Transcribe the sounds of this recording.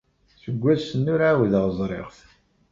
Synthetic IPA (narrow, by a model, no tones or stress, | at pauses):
θəɡʷːæðsənːʊɾʕawðəʁzˤɾˤḛʁθ